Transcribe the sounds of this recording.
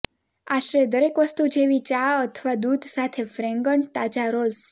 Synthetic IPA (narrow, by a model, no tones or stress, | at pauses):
aʃɾed̪əɾekʋəst̪ud͡ʒeʋit͡ʃaət̪ʰəʋad̪ud̪ʱsat̪ʰefɾɛŋɡəɳt̪at͡ʃaɾoz